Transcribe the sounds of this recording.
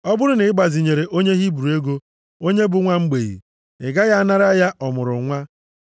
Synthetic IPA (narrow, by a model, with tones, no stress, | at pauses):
ɔ˦bʊ˦ɾʊ˦nɪ˨ɪ˦ɡ͡ba˨zi˨ɲe˨ɾe˨ʔo˦ɲe˦ɦi˦bu˨ɾu˨e˦ɡo˦ | o˦ɲe˦bʊ˨ŋʷa˦ŋ͡m̩˦ɡ͡be˨ɣḭ˨ | ɪ˨ɡa˦ɣa˦na˦ɾa˦ja˦ʔɔ˨mʊ˨ɾʊ̰˨ŋʷa˦